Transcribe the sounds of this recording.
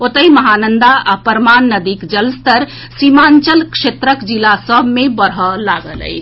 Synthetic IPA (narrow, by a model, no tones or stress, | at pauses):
ot̪əjməɦanənd̪aapəɾmanːəd̪ikd͡ʒəlst̪əɾ | simant͡ʃəlkset̪ɾəkd͡ʒilasəbʱmebəɾɦɔlaɡələ̰ɪt͡ʃʰ